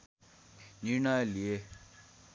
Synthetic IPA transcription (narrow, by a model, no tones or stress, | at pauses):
niɾɳajlie